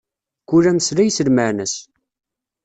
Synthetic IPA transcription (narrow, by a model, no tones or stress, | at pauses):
kulæmslæjsəlmənæs